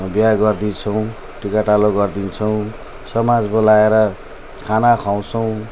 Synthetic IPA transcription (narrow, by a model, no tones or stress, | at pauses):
bjaɡʌrd̪int͡sʰʌw̃ | ʈikaʈaloɡʌrd̪int͡sʰʌw̃ | sʌmad͡zbolaeɾʌ | kʰanakʰaw̃t͡sʰʌw̃